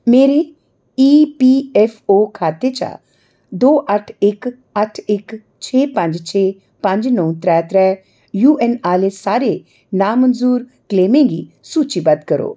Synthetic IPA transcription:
meːɾe | iːpiːefʰoːkʰaːt̪et͡ʃa̰ | d̪oːʔəʈʰek | əʈʰɪk | t͡ʃʰeːpə̃ɲd͡ʒt͡ʃʰeː | pə̃ɲd͡ʒnəũt̪ɾɛːt̪ɾɛ | juːenaːlesaːɾe | naːmənzuːɾ | kleːmẽːŋɡḭ | suːt͡ʃibɐd̪kəɾo̰ː

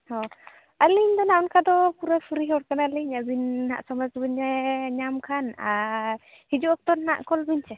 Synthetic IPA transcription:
hɔ | aliɲd̪ɔnaɔnkad̪ɔpuɾapʰuɾiɦɔɽ̚kanaliɲabinha̰ʔsɔmasbɯɲɛɲamkʰana | hid͡ʒuɔk̚t̪ɔnːa̰ʔkɔlbiɲt͡ʃɛ

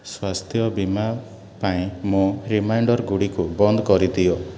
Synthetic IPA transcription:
swast̪ʰjɔbima | paĩmoɾimajɳɖɔɾɡuɽikubɔnd̪ɔkɔɾit̪ijɔ

